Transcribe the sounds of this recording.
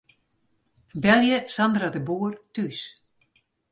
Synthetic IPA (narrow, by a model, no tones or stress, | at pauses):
bɛlˠjəsandradəbuːərtys